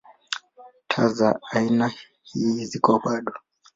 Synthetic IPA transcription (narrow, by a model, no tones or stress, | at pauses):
tʰazaaina | hiːzikɔɓaɗɔ